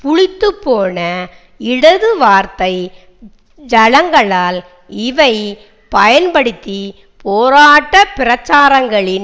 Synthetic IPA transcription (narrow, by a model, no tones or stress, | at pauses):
pʊɻɪt̪ːɯpːoːnɐ | ɪɽɐðɯʋaːɾt̪ɐɪ | d͡ʒɐlɐŋɡɐɭaːl | ɪʋɐɪ | pɐjɐnpɐɽɯt̪ːi | poːɾaːʈːɐpɪɾɐt͡ʃːaːɾɐŋɡɐɭɪn